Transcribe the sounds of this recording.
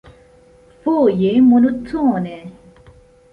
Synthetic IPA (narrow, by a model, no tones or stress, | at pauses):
fojemonut͡sʰːone